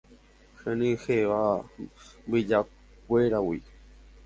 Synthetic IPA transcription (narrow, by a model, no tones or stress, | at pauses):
hẽnĩheʋa | mbɨd͡ʒa | k̚ʷeɾawi